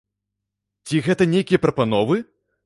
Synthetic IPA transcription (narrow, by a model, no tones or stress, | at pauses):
t͡sʲiɣɛt̪ɐnʲejkʲijɐpɾɐpanɔvɨ